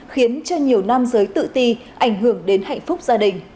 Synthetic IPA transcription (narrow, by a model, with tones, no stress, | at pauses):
xi˨˦ənt͡ɕɔ˧ɲi˨˩əwna˧mzəː˨˦jt̪ɨ̰˧˨t̪i˧ | ʔa˧˩jŋ̟ɦɨ˧˩əŋɗe˨˦nha̰˧˨jŋ̟fʊ˦˥k͡p̚zaː˧ɗï˨˩ŋ̟